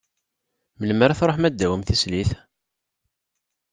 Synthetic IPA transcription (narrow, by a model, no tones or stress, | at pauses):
məlməɾæθɾˤoħmæd̪ːæwəmθisliθ